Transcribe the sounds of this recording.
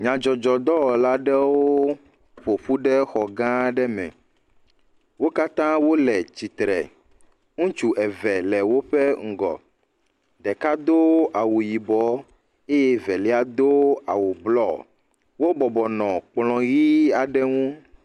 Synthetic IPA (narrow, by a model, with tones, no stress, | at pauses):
ɲã˨d͡ʒɔ˨d͡ʒɔ˨d̪ɔ˦˨la˦ɖɛ˦wo˦ | ɸo˨ɸu˦ɖɛ˦xɔ˨ɡã˦ɖɛ˦mɛ̰̃˨ | wo˦ka˦t̪ã˦wo˦lɛ˨t͡ɕi˨t̪ɾɛ̰˨ | ŋũ˦t͡ʃu˨ʔɛ˨vɛ˨lɛ˨wo˦ɸɛ˦ŋ̩˦˨ɡɔ̰˨ | d̪ɛ˨ka˦d̪o˦a˨wu˨ji˨bɔ˨˦ | e˦je˦vɛ˨lɛ˦a˨d̪o˦a̰˨wu˨blɔ˦ | wo˦bɔ˨bɔ˨nɔ̃˨k͡plɔ̃˨ɣi˦a˨ɖɛ˦ŋũ˦